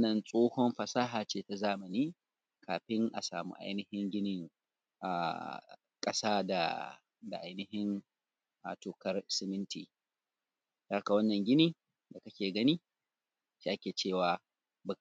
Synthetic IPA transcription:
nɐ˨nsʼoː˦hɔ˦mɸɐ˨saː˦ɦaː˨t͡ʃeː˦ta˨zaː˦mɐ˨niː˦ | kʰaː˨ɸɪ˦ŋʔa̰˨sa̰ː˨mṵ˦ʔa̰˦jnɪ˦hɪ˦ŋɡʲɪ˦nɪ˦˨ŋ | ʔa̰ː˨ | kʼɐ˦saː˦da̰˨ | da˨ʔa˦jnɪ˦hɪ˦n | ʔa˨toː˨kɐ˦rsɪ˦mɪ˦ntḭː˨ | ta˨a˦ka˨wɐ˦nːɐ˨ŋɡʲɪ˦niː˦ | da˨kɐ˦kʲeː˨ɡɐ˦niː˦ | ʃeː˦ʔa˦kʲeː˨t͡ʃeː˦˨waː˨ | bɐ˦

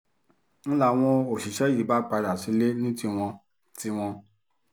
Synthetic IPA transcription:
ñ̩˦la˦˨w̃ɔ̃˧o˨ʃi˨ʃɛ˨˦ji˨˦ba˦k͡pa˧ɾa˨si˨˦le˦nĩ˦ti˦w̃ɔ̃˧ | ti˦w̃ɔ̃˧

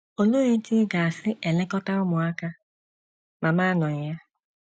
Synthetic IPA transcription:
o˨lo˦ɾe˦tɪ˦ɡa˨a˨sɪ˦ʔe˨lɪ˦kɔ˦ta˦ʊ˦mʊ˨a˦ka˦ | ma˨ma˦nɔ˨ɲ̩˨ja˦

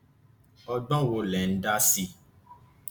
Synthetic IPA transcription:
ɔ˧ɡ͡bɔ̃˦˨wo˧˦lɛ˨n̩˦da˦si˧

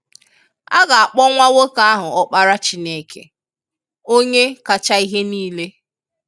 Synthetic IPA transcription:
a˦ɡa˨a˨k͡pɔ˦ŋʷa˦wo˦ka˦a˦ɦʊ˨ɔ˦k͡pa˦ɾa˦t͡ʃi˦ne˦˨kʰḛ˨ | o˦ɲe˦ka˨t͡ʃa˦i˦ɦe˦niː˦le˦

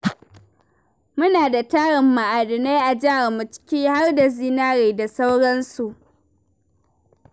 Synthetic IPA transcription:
mʊ˦naː˨da˨taː˦ɽɪ˨mːa˨ʔaː˨dɪ˨ne˦ʔa˨d͡ʒaː˦a˨mːu˨t͡ʃɪ̥˦kʲiː˦ha˦rda˨ziː˦naː˦ɽeː˨da˨sa˦wɽɐ˦nsu˨ʔ

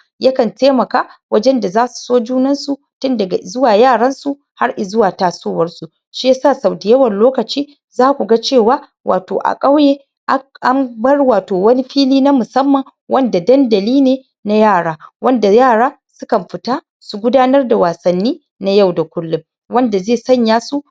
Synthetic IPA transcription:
jɐ˦kɐ˨nteː˦mɐ˨kaː˦wɐ˦d͡ʒɛ˦nda˨zaː˦su̥˨soː˦d͡ʒuː˦nɐ˦nsu˨ | tʊ˦ndɐ˨ɡa˨zʊ˦waː˨jaː˦˨ɽɐ˦nsu˨ | ha˦rʔɪ˨zʊ˦waː˨taː˨soː˦wɐ˦rsu˨ | ʃi˦ja˦saː˦˨sa˨wdɪ˨jɐ˦wɐ˨nloː˦kɐ˨t͡ʃiː˦ | zaː˦kʷu˨ɡa˦t͡ʃeː˦˨waː˦ | wʔa̰ː˨to̰ː˨ʔa̰˨kʼa˦wjeː˦ | ʔa˦ʔa˦mbɐ˦rwaː˨toː˨wɐ˦ni˦ɸiː˦liː˦na˦mʊ˨sɐ˦mːɐ˨ŋ | wʔɐ˦nda˨dɐ˦ndɐ˨liː˦neː˨ | na˦jaː˦˨ɽaː˦wɐ˦nda˨jaː˦˨ɽaː˦ | sʊ˦kɐ˨mɸɪ˨taː˦ | su˨ɡʷʊ˦daː˦nɐ˦rda˨waː˨sɐ˨nːiː˦ | na˦ja˦˨wda˨kʷʊ˦lːʊ˨m | wɐ˦nda˨zeː˦˨sɐ˦˨ɲjaː˦su˦

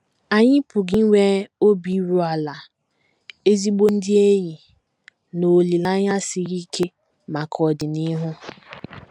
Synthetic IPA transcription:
a˨ɲɪ˦pʊ˨ɡi˦ŋʷe˦o˦bi˨˦ɾu˦a˨la˨ | e˦zi˦ɡ͡bo˦n̩˦dɪ˦e˦ɲi˨ | no˨li˨la˦ɲa˦sɪ˨ɣi˦kʰe˦ | ma˨kʰɔ˨dɪ˨nɪ˦ɦʊ˦

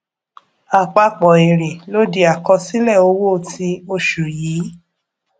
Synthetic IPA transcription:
a˨k͡pa˧k͡pɔ˨e˨ɾe˨lo˨˦di˧a˨kɔ˧si˦lɛ˦˨o˧˦wo˦˨ti˧˦o˧ʃu˨jiː˨˦

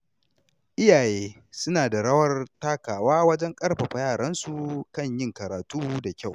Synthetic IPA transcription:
ʔɪ˦jaː˨jeː˦ | sʊ˦naː˨da˨ɽɐ˦wɐ˦rtaː˦kaː˨waː˦wɐ˦d͡ʒɛ˦ŋkʼɐ˦ɽɸɐ˨ɸa˨jaː˦˨ɽɐ˦nsu˨kɐ˦˨ɲjɪ˦ŋkɐ˨ɾaː˨tuː˦da˨kʲa˦˨w

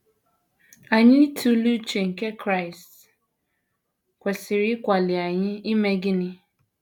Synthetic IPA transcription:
a˨ɲɪ˦tʰu˦lu˦t͡ʃe˨ŋ̩˨ke˦kɾa˦˨ɪ˨st | kʷe˨sɪ˨ɾɪ˦kʷa˨lɪ˨a˨ɲɪ˦i˦me˦ɡɪ˦nɪ˦

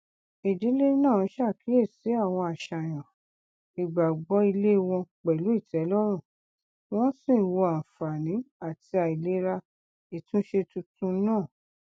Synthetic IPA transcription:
i˨di˨˦le˦nãː˦˨˦ʃa˦˨ki˨˦e˦˨si˨˦a˦˨w̃ɔ̃˧a˨ʃa˨j̃ɔ̃˨ | i˨ɡ͡ba˨ɡ͡bɔ˨˦i˧le˦˧w̃ɔ̃˧k͡pɛ˨lu˨˦i˦˨tʰɛ˨˦lɔ˦ɾ̃ũ˦˨ | w̃ɔ̃˦sĩ˦˨wo˧a˨fa˨nĩ˨˦a˦˨ti˧a˨i˨le˨˦ɾa˧ | i˨tũ˦ʃe˧tũ˧tũ˧˦nãː˦˨

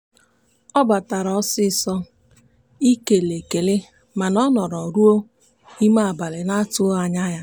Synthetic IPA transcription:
ɔ˦ba˨ta˨ɾɔ˨˦sɪ˦sɔ˦ | i˦ke˨le˨ke˨lɪ˦ | ma˨nɔ˦nɔ˨ɾɔ˨ɾu˦o˦ | i˦ma˦a˨ba˨lɪ˨na˦tʊ˦a˨ɲa˦ja˦

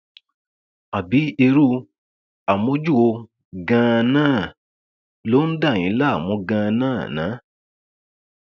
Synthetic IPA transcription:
a˨bi˨˦e˧ɾu˦ | a˨mõ˧˦d͡ʒu˦˨wo˧ | ɡã˧nãː˦˨ | lo˦n̩˦da˦˨j̃ĩ˨˦la˦a˦˨mɔ̃˧˦ɡã˧nãː˦˨nã̰ː˨˦

